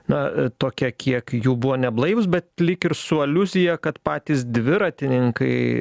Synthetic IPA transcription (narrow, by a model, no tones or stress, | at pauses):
nɐt̪oːkʲɛkʲʰiɛkjuːbʊʋoːnʲɛblˠɐɪʋʊs̬bʲɛt̪lʲɪkɪɾsʊɐlʲʊzʲɪjɛkɐt̪pɑːt̪ʲiːsd̪ʲʋʲɪɾɐːt̪ʲɪnʲɪŋkɐɪ